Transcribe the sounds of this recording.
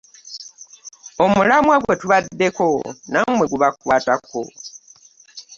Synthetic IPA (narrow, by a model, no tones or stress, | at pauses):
o̞mulamwaɡwe̞tuβadːe̞ko̞namwe̞ɡuβakwaːtako̰